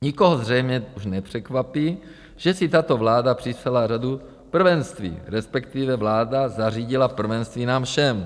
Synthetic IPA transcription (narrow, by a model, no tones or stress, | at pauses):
ɲiko̞ɦozr̝ɛjmɲɛuʃnɛpr̥ɛkvapiː | ʒ̥ɛsɪt̪at̪o̞vlaːdapr̥ɪsalaradu | pr̩vɛnst̪vḭːɾɛspɛkt̪ivɛvlaːdazariːɟɪlapr̩vɛnst̪viːnaːmfʃɛm